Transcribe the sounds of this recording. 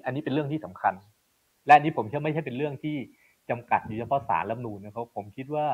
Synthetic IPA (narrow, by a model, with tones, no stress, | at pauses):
ʔa˧nːiː˦˥pe˧nɾɯ˥˩əŋt̪ʰiː˥˩sa˩˦mkʰa˧n | lɛ˦˥ʔa˧nːiː˦˥pʰo˩˦mki˥˩˧ma˥˩jt͡ɕʰa˥˩jpe˧nɾɯ˥˩əŋt̪ʰiː˥˩ | t͡ɕa˧mka̰˨˩t̪̚juː˨˩t͡ɕʰpʰɔ˦˥sa̰ː˩˦nla˧˥mnuː˧na˧˥˩kʰa˦˥˩pʰo˩˦mkʰi˦˥t̪̚waː˥˩